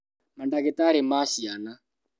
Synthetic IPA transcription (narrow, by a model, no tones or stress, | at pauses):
mandaɣɛtaɾɪmaʃiana